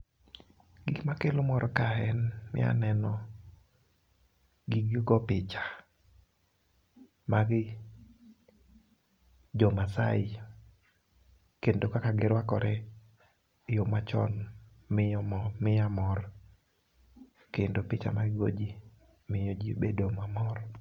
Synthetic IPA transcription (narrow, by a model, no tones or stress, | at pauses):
ɡiɡmakelomɔɾɔkaɛnmɪ̰a̰nɛnɔ | ɡiɡiɡɔpɪt͡ʃḁ | maɡɪ | d͡ʒɔmasa̰ɪ | kendokakaɡɪɾwakɔɾɛ | jomat͡ʃɔ̰n | mɪjɔmmɪjamɔr | kendopɪt͡ʃa̰maɡɪɡo̰d͡ʒi | mɪjod͡ʒibedomamɔr